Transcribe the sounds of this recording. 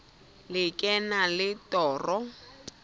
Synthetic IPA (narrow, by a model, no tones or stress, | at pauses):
lɪkʼɛnalɪtɔːrɔ